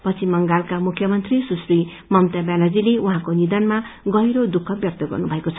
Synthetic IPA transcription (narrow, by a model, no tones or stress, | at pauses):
pʌt͡sʰimʌŋɡalkamukʰːjʌmʌnt̪risusri | mʌmt̪abjanad͡zileuɦãkonid̪anmaɡʌjɾod̪ukʰːʌbjʌk̚t̪ʌɡʌ̰rnubʱʌekot͡sʰʌ